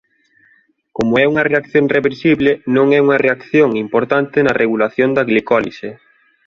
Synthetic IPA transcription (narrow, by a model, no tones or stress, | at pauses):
komʊɛuŋɐreakθjoŋreβeɾsiβlɪnõŋɛuŋɐreakθjoŋimpoɾt̪ant̪ɪnɐrʔeɣulaθjond̪ɐɣlikɔlḭse